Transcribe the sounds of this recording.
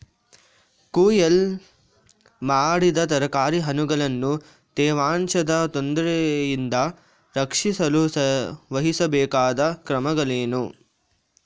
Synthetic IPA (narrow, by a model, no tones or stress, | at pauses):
kuːjɐl | maːɽid̪ɐt̪ɐɾɐkaːɾiɦɐnuɡɐɭɐnːu | t̪ɛːʋaːɳt͡ʃɐd̪ɐt̪ond̪ɾejind̪ɐ | ɾɐkʂisɐlusɐʋɐɦisɐbɛːkaːd̪ɐkɾɐmɐɡɐleːnu